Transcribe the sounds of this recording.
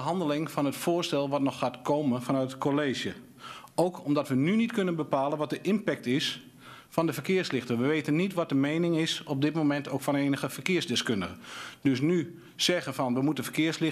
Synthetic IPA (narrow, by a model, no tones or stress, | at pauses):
ɦɑndəlɪŋfɔnətfʊːɹstɛlˠʋɔtnɔxːaːtkʰoːmənfɔnœtət̚kʰoleːʒjə | owkʰɔmdɔtʋənynitkønənbəpaːlˠənʋɔt̚dəʔɪnpɛk̚tɪs | fɔndəfərkɪərslɪxtəʋəʋeːtənːitʋɔt̚dəmejnɪŋɪsɔb̚dɪtmomɛntʰoːkfɔneːnəɣəfərkɪərzdɪskʏndəɣəd̥øs̬ny | sɛɣənfɔnʋəmutəfəkɪərslɪ